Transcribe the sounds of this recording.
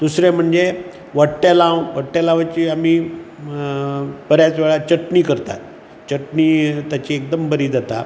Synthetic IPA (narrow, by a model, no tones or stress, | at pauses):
d̪̥usɾem̤əɳd͡ze | ʋəʈːjalãwʋəɽʈːalãʋat͡ɕiamiː | b̥əɾjat͡sʋeɭat͡ɕəʈɳiːkəɾt̪a̰ | t͡ɕəʈniːt̪jat͡ɕiːekd̪əmbəɾiːd͡zat̪a̰